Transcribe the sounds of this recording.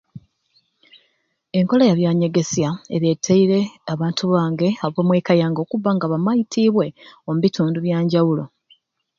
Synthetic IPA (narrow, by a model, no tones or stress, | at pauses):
e̞ŋko̞lajaβjaːɲe̞ɡe̞sjaḛɾjetʰːeiɾe̞aβaːntuβaːŋɡe̞aβwoːmweːkajaːŋɡo̞ːkuvːaŋɡaβamajitʰiːβwe̞omuβituːnduβjaːɲɟawulo̞